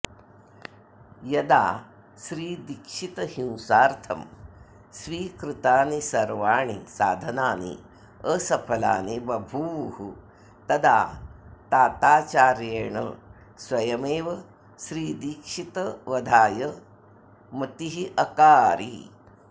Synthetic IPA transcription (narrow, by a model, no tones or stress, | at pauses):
jɐd̪a̰ː | ʃɾiːd̪ikʂit̪ɐhĩwsaːɾt̪ʰɐm | sʋiːkɾɨt̪aːnisɐɾʋaːɳḭsa̰ːd̪ʱɐnaːnḭ | əsɐpʰɐla̰ːnibɐbʱuʋhu | t̪ɐd̪aːt̪aːt̪aːt͡ʃaːɾjeːɳɐ̰ | sʋɐjɐmeːʋɐ | ʃɾiːd̪ikʂit̪ɐʋɐd̪ʱaːjɐ | mɐt̪iɦiʔɐkaːɾḭ